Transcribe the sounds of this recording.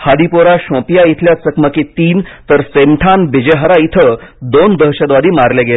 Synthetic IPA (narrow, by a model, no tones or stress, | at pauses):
had̪ipoɾaɕɔ̃pijait̪ʰljasəkməkit̪iːnt̪əɾsemʈʰanbid͡ʑeɦəɾait̪ʰəd̪ond̪əɦɕəd̪ʋad̪iːmaɾleɡel